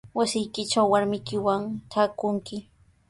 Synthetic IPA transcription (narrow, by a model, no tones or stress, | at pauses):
wasɪjkɪt͡ʃawːaɾmɪjkɪwaŋʈ͡ʂaːkʊŋkɪ